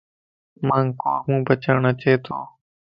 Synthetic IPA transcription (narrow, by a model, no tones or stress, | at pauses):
mãːŋkoːkmũːbʱət͡ʃəːɳət͡ʃeːt̪ʰo̰ː